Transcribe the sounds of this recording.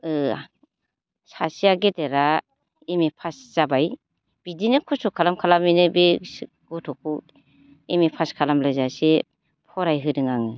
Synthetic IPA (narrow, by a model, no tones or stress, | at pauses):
ɯ | sasijaɡedeɾa | emepʰasz̥abaj | b̥idinɯkʰɔsɔkʰalamkʰalaminɯbe | ɡ̥ɔtʰɔk̚ʰu | emepʰaskʰalamlɯzase | pʰɔɾajɦɯdɯŋaŋɯ